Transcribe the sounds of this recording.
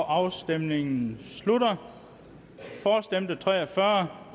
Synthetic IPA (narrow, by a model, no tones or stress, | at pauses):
ʔɑ̈ʊsd̥emne̝ŋn̩sludɐ | fɒːsd̥em̰d̥ət͡sʰʁɛ̰ːɒfɶːɐ